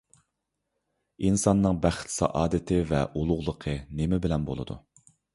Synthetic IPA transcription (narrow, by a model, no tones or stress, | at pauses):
insɑnːɨŋbæχt̪sɑ̰ʔɑːd̪ɨt̪ʰɪvɛ̰ʔulˠʊʁlˠəqʰənemɪbɪlɛnbo̰lˠɨ̰d̪ṵ